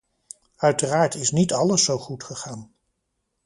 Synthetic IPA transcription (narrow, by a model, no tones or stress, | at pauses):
œɥtəraːɹtɪsnitɑləsːowχutχəχaːn